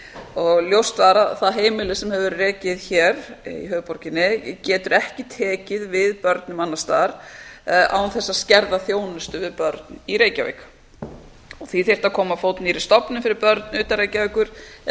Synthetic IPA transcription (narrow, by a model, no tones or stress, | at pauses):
ɔɣljowst̪faːɾaθaðɦeːjmɪlɪsɛmhɛvʏɾrɛːcɪðçɛːɾḭɦœːɣpɔɾcɪnːɪcɛːt̪ʏɾɛhcɪt̪ʰɛːcɪðvɪðpœɾt̪nʏmanːast̪aːɾ̥ | a̰wnθɛsːascɛɾðaθjoːwnʏst̪ʏvɪðpœɾt̪niɾeːjcavḛːk | ɔɣθiθer̥t̪akʰɔːmafoːwt̪niɾɪ̥st̪ɔpnʏmfɪɾɪɾpœɾt̪nʏːt̪aɾeːjcaveːjkʏɾ̥